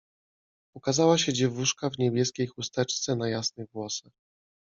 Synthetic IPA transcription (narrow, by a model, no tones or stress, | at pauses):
ukazawaɕɛd͡ʑɛvuʂkavɲɛbʲjɛskʲejxust̪ɛt͡ʂt̪sɛnajasnɘɣɡwɔsax